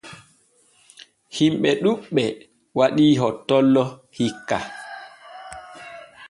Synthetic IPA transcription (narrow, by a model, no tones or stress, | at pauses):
himɓɛɗuɓːɛ | waɗiːɦɔtːɔlːɔhikːa